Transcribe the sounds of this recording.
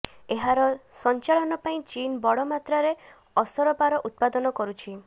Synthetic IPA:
eɦaɾɔsɔnt͡ʃaɭɔnɔpaĩt͡ʃinbɔɽɔmat̪ɾaɾe | ɔsɔɾɔpaɾɔʔut̪̚pad̪ɔnɔkɔɾut͡ʃʰi

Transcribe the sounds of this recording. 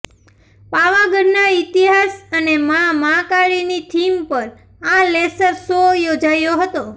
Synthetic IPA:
paʋaɡəɾnait̪iɦasənemamãkaɽinit̪ʰimpəɾ | ãlesəɾsojod͡ʒajoɦət̪o

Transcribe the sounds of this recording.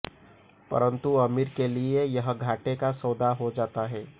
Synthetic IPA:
pɐ̰ɾə̃nt̪uɐmiɾkeliejɐɦɡʱaːʈekasɔːd̪aɦod͡ʒaːt̪aɦɛː

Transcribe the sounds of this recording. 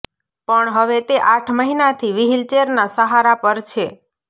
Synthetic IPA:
pəɳɦəʋet̪eʔaʈʰməɦinat̪ʰiʋiɦilt͡ʃeɾnasəɦaɾapəɾt͡ʃʰe

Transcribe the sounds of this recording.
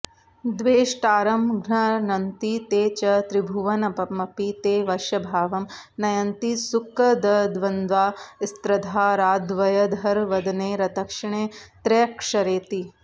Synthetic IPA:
d̪ʋeːʂʈaːɾɐmɡʱnɐnɐnt̪it̪eːt͡ʃɐt̪ɾibʱuʋɐnɐpɐmːɐpit̪eːʋɐʃjɐbʱaːʋɐmnɐjɐnt̪isukɐd̪ɐd̪ʋɐnd̪ʋaːist̪ɾɐd̪ʱaːɾaːd̪ʋɐjɐd̪ʱɐɾʋɐd̪ɐneːɾɐt̪ɐkʂɐɳeːt̪ɾeːkʂɐɾeːt̪i

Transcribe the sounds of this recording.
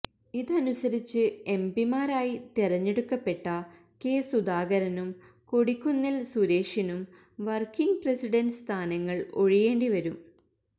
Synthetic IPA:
iðɨɐnusɐɾit͡ɕːɨe̞mbimaːɾaːjit̪irɐɲːe̞ɽukːɐpːe̞ʈːɐ | ke̞ːsud̪aːɡɐɾɐnum | ko̞ɽikʲːunːilsuɾe̞ːʂinum | ʋɐrkiŋɡpresiɽɐnst̪ʰaːnɐŋːɐɭo̞̰ɻije̞ːɳɖiʋɐɾum

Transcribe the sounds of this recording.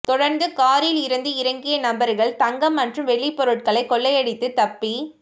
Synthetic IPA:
t̪ɔɽɐɾnd̪ɯkaːɾɪlɪɾɯnd̪ɯɪɾɐŋɡɪjɐnɐmbɐɾɣɐɭt̪ɐŋɡɐmːɐnrɯmʋɛɭːipɔɾɯʈ̚kɐɭɐɪkːɔɭːɐjɐɽɪt̪ːɯt̪ɐpːi

